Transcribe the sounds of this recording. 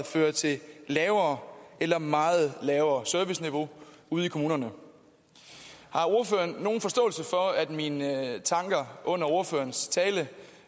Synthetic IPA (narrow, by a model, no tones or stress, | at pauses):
føːɐt͡sʰe̝llɛːʊɐːelɐmɑ̈ːð̩ˠlɛʊɐːsœɐʋisniʋo̝ | uð̞̩̰ˠikʰo̝muːnɐnə | hɑ̈o̝ɐfø̰ːɐnːo̝ːn̩fɒ̽sd̥ɔ̰̽ːl̩səfɒ̽æd̥mint͡sʰɑ̈ŋɡ̥ɐʔɔ̽n̰ɐo̝ɐfø̰ːɐnst͡sʰɛːlə